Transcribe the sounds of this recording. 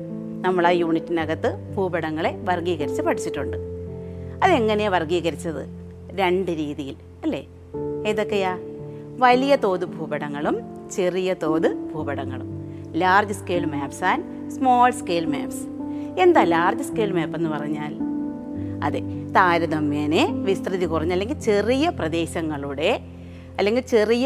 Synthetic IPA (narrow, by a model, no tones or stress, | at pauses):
nɐmːɐɭaːjuːɳitːinɐɣɐt̪ːɨb̥ʱuːbɐɽɐŋːɐɭe̞ʋɐrɡiːɣɐɾit͡ɕːɨpɐʈʰit͡ɕːiʈːuɳɖɨ | ɐðe̞ŋːɐneʋɐrɡiːɣɐɾit͡ɕːɐðɨ̰ | ɾe̞ɳɖɨɾiːðijil | ɐlːe̞̰ː | eːðo̞kːejaːʋɐlijɐt̪o̞ːðɨbʱuːbɐɽɐŋːɐɭumt͡ɕerijɐt̪o̞ːðɨbʱuːbɐɽɐŋːɐ̰ɭṵm | laːrd͡ʑɨskeːɭmaːpsaːn | smo̞ːlskeːlmḛːps | e̞nd̪aːlaːrd͡ʑɨskeːlmeːpːe̞nːɨpɐrɐɲːaːl | ɐ̰ðet̪aːɾɐðɐmːjeːneʋist̪rɨðikurɐɲːɐlːe̞ŋɡilt͡ɕe̞rijɐprɐd̪e̞ːɕɐŋːɐɭuɽe̞ | ɐlːe̞ŋɡilt͡ɕe̞rijɐ